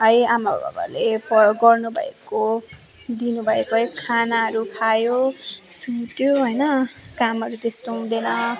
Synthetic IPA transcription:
ɦʌjamaba̰bʱa̰ba̰lepʌɡʌrnubʱʌ̰ḛko | d̪inubʱʌekoɦʌjkʰanaɦʌɾukʰajosuʈjoɦʌjnʌkamɦʌɾut̪est̪od̪enʌ

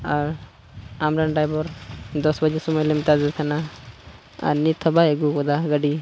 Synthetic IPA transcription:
aɾ | amɾaɳɖajbɔɾd̪ɔsbad͡ʒisɔmɔjlemt̪azakʰana | a̰ɾnit̪ʰɔbaeɡukɔd̪aɡaɖi

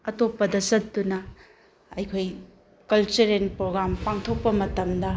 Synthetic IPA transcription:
ɐtopːɐdɐsɐt̚dunɐ | ɐjkʰoj | kɐlt͡ʃeɾenpɾoɡɾampaŋtʰok̚pɐmɐtɐmdɐ

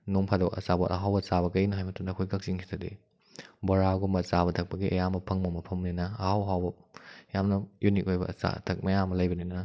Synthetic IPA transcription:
nuŋpʰadoɐ̰sabɐʔɐɦawbɐt͡ʃabɐkɐnɐɦajmɐtʰundɐɐkʰojkɐk̚ziŋkʰi̥tʰɐdḛ | bɐɾaɡumɐsabɐtʰɐk̚pɐɡiɐ̰jamɐpʰɐŋmɐmɐpʰɐmninɐɐhawɐɦawbɐjamnɐjunik̚ojbɐ̰sa̰tʰɐk̚mɐjamɐlɐjbɐninɐ

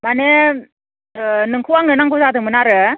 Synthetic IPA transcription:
mane | nɯŋkʰɯwaŋɯnaŋkuzadɯmɯnaɾɯ

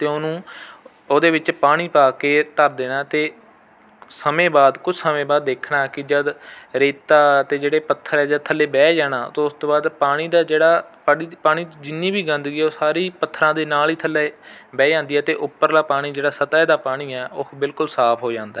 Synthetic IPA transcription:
t̪eːoːnũː | oːd̪eːʋɪt͡ʃpaːɽ̃iːpaːkeːt̪əɾd̪eːnaːt̪eː | səmẽːbaːd̪kʊt͡ʃʰsəmẽːbaːd̪ːeːkʰnaːkɪd͡ʒəd̪ɾeːt̪aːt̪eːd͡ʒeːɽeːpət̪ʰːəɾɛːd͡ʒəd̪̚t̪ʰəlːeːbɛːd͡ʒaːɽaːt̪oːʊst̪õːbaːd̪paːɽ̃iːd̪aːd͡ʒeːɽaːsaɖiːpaːɽ̃iːd͡ʒɪnːiːbiːɡə̃nd̪ɡiːoːsaːɾiːpət̪ʰːɾãːd̪eːnaːliːt̪ʰəlːeːbɛːd͡ʒãːnd̪iːɛːt̪eːʔʊpːəɾlaːpaːɽ̃iːd͡ʒeːɽaːsət̪aːd̪aːpaːɽ̃iːɛːʊbɪlkʊlsaːpʰɦoːd͡ʒãːnd̪aː

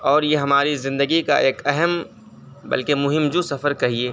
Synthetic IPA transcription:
ɔːɾjeɦɐmaːɾizɪ̃nd̪əɡika̰ʔeːkɛɦəm | bɐ̰lkemʊɦɪmd͡ʒusɐfəɾkɐɦieː

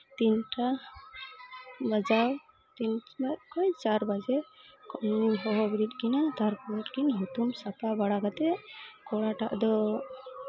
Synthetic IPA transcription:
t̪inʈʰa | bad͡ʒaw | t̪inbatkɔjt͡ʃaɾbad͡ʒɛkɔnːimɦɔɦɔbiɾit̪̚kinat̪aɾpɔlɔʈkinɦut̪umsat̪abaɽaɡat̪ɛkɔɽaʈa̰ʔd̪ɔ

